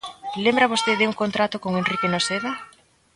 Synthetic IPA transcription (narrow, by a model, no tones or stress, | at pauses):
lembɾaβost̪eðeuŋkont̪ɾat̪okoŋenrikenoseða